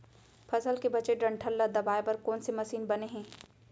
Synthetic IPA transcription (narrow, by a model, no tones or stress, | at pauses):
fʰɐzəlkebɐt͡ʃeɖɐ̃ɳʈʰəlːad̪ɐbaːepɐɾkɔːnsemɐsiːnbɐneɦɛ̃ː